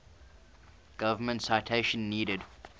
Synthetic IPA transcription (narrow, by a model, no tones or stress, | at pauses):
ɡ̥ʌvəmə̃ntsaɪtʰeɪʃə̃nːiːɾɪd